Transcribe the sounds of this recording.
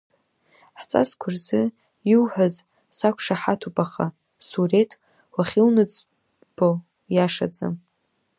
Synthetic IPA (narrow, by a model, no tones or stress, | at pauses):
ħt͡sʼa̰skʷʰʊrzɨ | jiwħʷᶣaz | sakʷʰʂaħatʰupʼaχa̰ | suretʰ | waχʲilnɨd͡z | b̥o | jaʂa̰d͡zʼa̰m